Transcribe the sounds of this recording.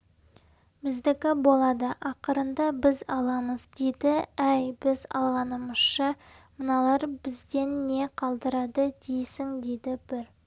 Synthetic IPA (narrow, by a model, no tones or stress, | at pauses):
bɪzd̪ɪkʲɪbo̞lˠɑd̪əʔɑqəɾənd̪ɑbɪzɑlˠɑməzd̪ejd̪ɪæjbɪzɑ̰lˠʁɑnəməz̥ʃə | mənɑlˠɑɾbɪzd̪e̞nːe̞qʰɑlˠd̪əɾɑd̪əd̪̥ejsɪŋd̪ed̪ɪb̥ɪɾ